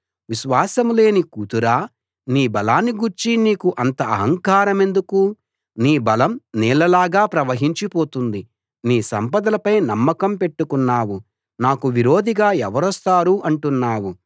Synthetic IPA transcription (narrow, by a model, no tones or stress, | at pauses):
ʋiʃʋaːsɐmle̞ːnikut̪uɾaː | niːbɐlaːnːiɡuɾt͡ʃiniːkuʔɐnt̪ɐɐ̰ɦɐŋkaːɾɐme̞nd̪uku | niːbɐlɐmniːlɐlaːɡaːpɾɐʋɐɦiɲt͡ʃipoːt̪und̪i | niːsɐmpɐd̪ɐlɐpɐjnɐmːɐkɐmpe̞ʈːukunːaːwu | naːkuʋiɾo̞ːd̪iɡaːɛʋɐɾɔst̪aːɾuʔɐɳʈunːaːwu